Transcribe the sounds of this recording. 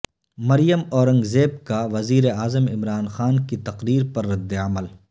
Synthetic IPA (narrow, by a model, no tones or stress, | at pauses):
mɐɾijəmɔːɾə̃ŋɡzeːb̚kaʋɐziːɾeaːzəmɪmɾaːnxaːnkit̪ɐqɾiːɾpɐɾːɐd̪ːeəməl